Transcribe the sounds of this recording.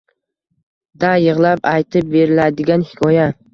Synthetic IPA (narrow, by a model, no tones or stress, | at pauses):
d̪ajɨʁlˠapajt̪ʰɪp̚be̞ɾɪlad̪ɪɡʲanhɪ̥kʰɒja